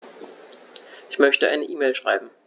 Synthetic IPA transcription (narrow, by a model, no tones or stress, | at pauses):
ʔɪçmœçtəʔa̰ɪnəʔiːmeːlʃʁ̥a̰ɪbm̩